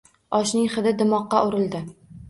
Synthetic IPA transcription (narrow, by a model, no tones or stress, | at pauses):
ɒʃnɪŋχɨd̪ɪd̪ɪmɒqːɑʔʊɾɪld̪ɪ